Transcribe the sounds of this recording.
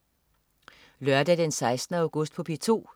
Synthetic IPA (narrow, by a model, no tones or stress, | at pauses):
lœɶɐd̥æd̥ensɑ̈ɪsd̥n̩əɑʊɡ̥ɔ̽sd̥̚pʰɒ̽pʰit͡sʰo̝̰ː